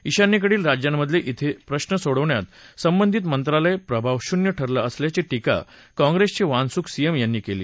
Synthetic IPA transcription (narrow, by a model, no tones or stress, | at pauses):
iɕanːiːk̬əɽiːlɾad͡ʑjamːəd̪ʱleʔit̪ʰepɾəɕnəsoɽəʋɳjat̪səmbənd̪ʱit̪mənt̪ɾaləepɾəbʱaʋɕunjəʈʰəɾlaəsljat͡siʈika̰ | kɔ̃ŋɡɾest͡ɕiʋãnsuːksijemjanːiːkelḭː